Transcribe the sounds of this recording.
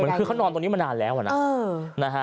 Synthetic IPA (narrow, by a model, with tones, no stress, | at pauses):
mɯ˩˦nkɯː˧kʰa˦˥wnɔː˧nt̪o˧ŋniː˦˥m˧naː˧nlɛː˦˥wa̰˨˩naː˦˥˧ | na˦˥kʰa˦˥